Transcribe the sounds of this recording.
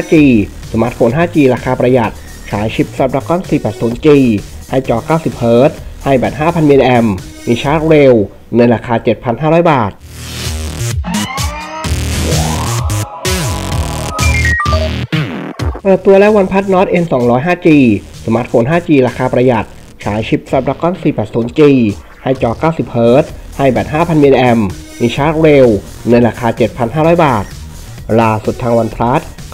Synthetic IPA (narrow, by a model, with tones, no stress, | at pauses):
aː˥˩t͡ɕiː˧ | su˨˩˦mʔa˦˥foː˨˩˦nɦaː˥˩t͡ɕiː˧ɾaː˧kʰaː˧pɾa˧ja˨˩t̪̚ | t͡ɕʰa̰ː˩˦jt͡ɕʰi˦˥p̚sa˦˥p̚ɾa˧˥kɔ˥˩nsiː˨˩pɛː˨˩t̪̚su˩˦nt͡ɕiː˧ | ha˥˩jt͡ɕɔː˧kaː˥˩wsi˨˩p̚hɤː˦˥t̪̚ha˥˩jbɛː˨˩t̪̚ɦaː˥˩pʰa˧nʔi˧ʔɛ˧mː | iː˧t͡ɕʰaː˦˥t̪̚ɾeː˧w | nɯ˧jɾaː˧kʰaː˧t͡ɕe˨˩t̪̚pʰa˧nhaː˥˩ɾɔː˦˥jbaː˨˩t̪̚ | pɤː˨˩t̪ːu˧əlɛ˦˥wa˧npʰa˦˥t̪̚nɔː˦˥t̪̚ʔe˧nsɔː˩˦ŋɾɔː˦˥jɦaː˥˩t͡ɕiː˧˩ | sa˩˦ma˦˥t̪̚fʰoː˩˦nɦaː˥˩t͡ɕiː˧ɾaː˧kʰaː˧pɾa˧ja˨˩t̪̚ | t͡ɕʰaː˩˦jt͡ɕʰi˦˥p̚sa˦˩p̚ɾa˧˥kɔː˥˩nsiː˨˩pɛː˨˩t̪̚suː˩˦nt͡ɕiː˧˩ | ha˥˩jt͡ɕɔː˧kaː˥˩wsi˨˩p̚hɤː˦˥t̪̚ | ha˥˩jbɛː˨˩t̪̚ɦaː˥˩pʰa˧nʔiː˧ʔʔɛ˧mmiː˧t͡ɕʰaː˦˥t̪̚ɾeː˧w | nɯ˧jɾaː˧kʰaː˧t͡ɕe˨˩t̪̚pʰa˧nɦaː˥˩ɾɔː˦˥jbaː˨˩t̪̚ | laː˧˩su˨˩t̪ʰːaː˧ŋwa˧npʰɾa˦˥t̪̚